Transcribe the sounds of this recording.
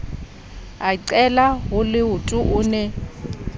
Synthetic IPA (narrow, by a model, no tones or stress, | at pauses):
aiǀɛlaɦʊlɪʊtʼʊʔʊːnɛ